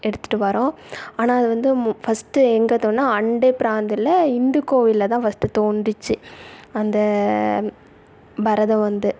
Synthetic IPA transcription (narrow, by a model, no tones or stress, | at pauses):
ɛɽɯt̪ːɯ̥ʈːɯʋɐɾõaːnaːɐðɯʋɐnd̪ɯfɐsʈɯɛŋɡɐt̪oːnnaːɐɳɖepɪɾaːnd̪ɪlɐɪnd̪ɯkoːʋɪlɐt̪̬ãːfɐsʈːɯt̪oːɳɖrɯt͡ʃːɯɐnd̪ɐ | bɐɾɐðɐ̃ʋɐnd̪ɯ